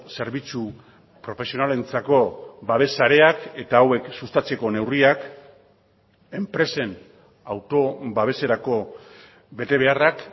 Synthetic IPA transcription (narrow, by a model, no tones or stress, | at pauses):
se̞ɾβit͡su | pɾo̞fe̞sio̞nale̞nt͡sako̞baβ̞e̞saɾe̞ake̞t̪aːwe̞ksust̪at͡se̞ko̞ne̞wriak | e̞mpɾe̞se̞n | awt̪o̞βaβ̞e̞se̞ɾako̞ | βe̞t̪e̞β̞e̞arak